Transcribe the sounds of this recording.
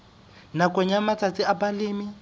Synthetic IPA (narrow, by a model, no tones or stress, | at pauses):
nakʼɔɲamat͡sʰʼat͡siapalɪːmi